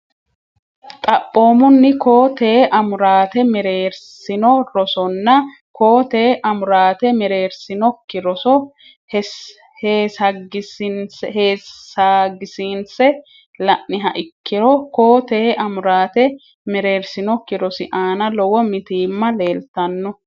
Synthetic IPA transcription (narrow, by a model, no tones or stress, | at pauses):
t̪ʼɐpʼːo̞ːmʊnːɪko̞ːt̪eːʔɐmʊɾaːt̪ɛmɛɾe̞ːɾsɪnɔɾɔsɔnːɐ | koːt̪eːʔɐmʊɾaːt̪ɛmɛɾe̞ːɾsɪnɔkːɪɾɔsɔ | hɛ | heːsɐɡɪsɪnsheːsaːɡɪsiːnsɛ | lɐʔːɪɦɐʔɪkːɪɾɔko̞ːt̪eːʔɐmʊɾaːt̪ɛ | mɛɾe̞ːɾsɪnɔkːɪɾɔsɪʔaːnɐlɔwɔmɪt̪iːmːɐle̞ːlt̪ɐnːɔ